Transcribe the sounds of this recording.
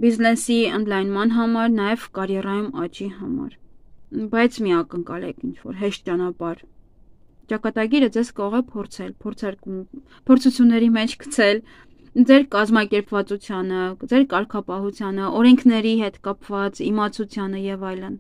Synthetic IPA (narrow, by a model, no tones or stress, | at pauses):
biznɛsiənd̪lɑjnmɑn̪ɦɑmɑɾnɑjɛvkɑɾjɛrɑjumɑt͡ʃiɦɑmɑ̰ɾ | bɑjt͡sʰmiɑkəŋkɑ̰lɛ̰kʰint͡ʃʰvɔ̰ɾɦɛʃt̪̚t͡ʃɑnɑpɑɾ | t͡ʃɑkɑt̪ɑɡiɾəd͡zɛzkɑɾɔʁɛpʰɔɾt͡sʰɛlpʰɔɾt͡sʰɑɾku | pʰɔɾt͡sʰut͡sʰjunːɛɾimɛt͡ʃʰkʰə̥t͡sʰɛl | d͡zɛɾkɑzmɑkɛɾpvɑt͡sut͡sʰjɑnəd͡zɛɾkɑɾkʰɑpɑɦut͡sʰjɑnəʔɔɾɛŋkʰnɛɾiɦɛt̪kɑpvɑt͡simɑt͡sʰut͡sʰjɑnəjɛvɑjlən